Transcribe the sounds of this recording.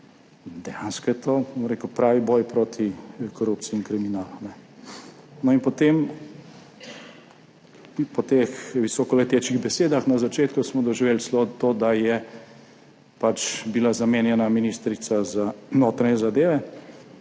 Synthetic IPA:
d̪ɛjanskɔjɛt̪oːbomɾeːkupɾaːʋibɔjpɾot̪ʰikɔɾup̚t̪siːŋkɾiminaːlunɛ | nɔinpɔt̪em | pɔt̪exʋisɔkɔlɛt̪eːt͡ʃiɣbɛseːd̪axnazat͡ʃeːt̪kusmɔd̪ɔʒiʋeːlslot̪oːd̪ajɛ | pat͡ʃbilazameːnjɛnaminist̪ɾit̪sazanoːt̪ɾanjɛzad̪eːʋɛ

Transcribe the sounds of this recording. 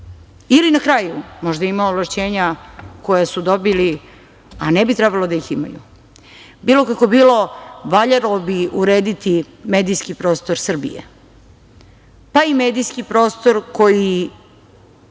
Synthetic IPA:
ilinakɾaːjumo̞ʒd̪aimaovlaʃt͡ɕeːɲako̞jesud̪o̞bili | anɛbit̪ɾebalod̪ajixima̰jṵ | biːlo̞kako̞biːlo̞ʋaʎaɾlobiuɾeːd̪it̪i | me̞ːd̪ijskipɾo̞ːst̪o̞ɾsr̩bḭjḛ | paimeːd̪ijskipɾo̞ːst̪o̞ɾko̞ji

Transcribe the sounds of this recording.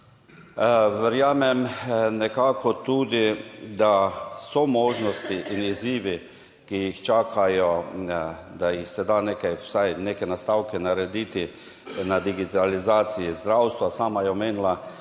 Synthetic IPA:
ʋɛɾjaːmɛmnɛkaːkʰɔt̪uːd̪id̪asɔmɔːʒnɔst̪iʔiniziːʋi | kijixt͡ʃaːkʰajɔ | d̪ajixsɛd̪aneːkajwsajneːkɛnast̪aːwkɛnaɾɛd̪iːt̪i | nad̪iɡit̪alizaːt̪sijizd̪ɾawst̪ʋasaːmajɛmeːnla

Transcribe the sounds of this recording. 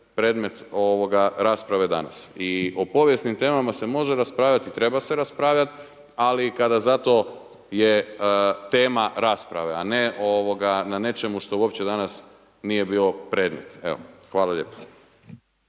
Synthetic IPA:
pɾe̞ːd̪me̞t̪o̞ʋoɡaɾaːspɾaʋe̞d̪a̰na̰siopo̞ʋje̞snimt̪e̞ːmamase̞mo̞ʒeɾaspɾaːʋʎat̪it̪ɾe̞base̞ɾaspɾaːʋʎat̪ | alikad̪azat̪o̞ | je | t̪e̞ːmaɾaːspɾa̰ʋe̞aneʔo̞ʋo̞ɡanane̞t͡ʃe̞muʃt̪o̞uo̞pt͡ɕe̞d̪anas | nije̞biːo̞pɾe̞ːd̪me̞̰t̪ḛʋo̰xʋaːlaʎe̞ːpo̥

